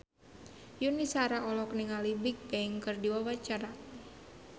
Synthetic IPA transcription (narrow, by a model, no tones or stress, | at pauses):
junisaɾaʔɔlɔkniŋalibɪk̚peiŋkərdiwawat͡ʃaɾa